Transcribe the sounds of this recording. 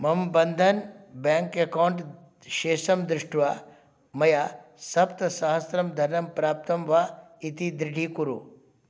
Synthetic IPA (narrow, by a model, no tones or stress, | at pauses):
mɐmbɐnd̪ʱɐnbaːŋkekawɳʈ | ʃeːʃɐmd̪ɾɪʂʈʋaː | mɐjaːsɐpt̪ɐsɐaɦɐsɾɐmd̪ʱɐɾnɐmpɾaːp̚t̪ɐmʋaːit̪id̪ɾɪɖʱikuɾṵ